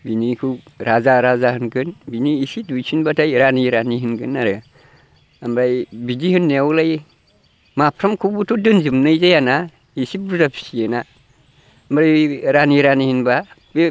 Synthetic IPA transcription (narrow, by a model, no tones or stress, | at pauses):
binikuɾazaɾazahɨnɡənbiniisidut͡ʃinbataiɾaniɾaniɦinɡənːaɾɡa | ambɾaibid͡ʒihɨnːawulaji | mapɾamkubutudɨnd͡ʒimnaid͡ʒejana | jisibɾutapi̥sijena | mɾajɾaniɾanihinba | be